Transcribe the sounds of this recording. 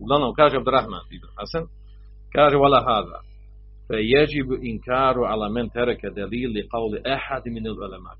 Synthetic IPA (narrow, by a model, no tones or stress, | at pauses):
wlanakaːʒab̚d̪ɾˤɑħma̰nd̪iːd̪anħasan | kaːʒawalːaɦaːða̰ | fajad͡ʒɪbʔɪnkaːɾˤʊʕalamant̪ɑɾˤɑkad̪aliːlːɪqɑwlʔaħad̪mɪnalʕʊlama̰ːʔ